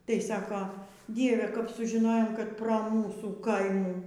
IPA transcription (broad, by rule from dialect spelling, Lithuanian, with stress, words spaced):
tɐɪ ˈsɑːkoː ˈdʲiɛʋʲɛ kɐp sʊʒʲɪˈnoːjoːm kɐt proː ˈmuːsuː ˈkɐɪmuː